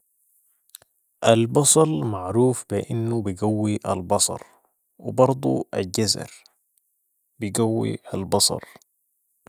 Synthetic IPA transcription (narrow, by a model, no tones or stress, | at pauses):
ʔalbɑsˤɑɾˤmaʕɾuːfbɪʔɪnːubiɡawːiʔalbɑsˤɑ̰ɾˤ | wɪbɑɾˤd̪ˤṵalɟazɑ̰ɾ | biɡawːḭalbɑsˤɑ̰ɾˤ